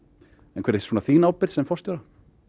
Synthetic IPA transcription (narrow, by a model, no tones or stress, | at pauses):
ɛnkʰɛːɾesuːnaθiːnaːwpɪɾðsɛmfɔrst̪jowɾa